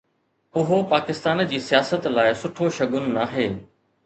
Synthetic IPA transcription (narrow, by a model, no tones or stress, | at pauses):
ʊɦopaːkɪst̪aːnd͡ʑiːsijaːsət̪laːɪsʊʈʰoʃɐɠʊnɪ̆naːɦeː